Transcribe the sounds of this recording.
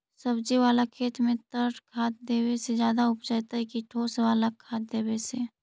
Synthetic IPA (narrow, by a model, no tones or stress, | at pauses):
səbd͡ʒiʋaːlakʰeːt̪mẽt̪əʈʰkʰaːt̪̚d̪eːwesed͡ʒjaːd̪aʊpd͡ʒat̪aɦɛkiʈʰoːsewaːlakʰaːt̪̚d̪eːbese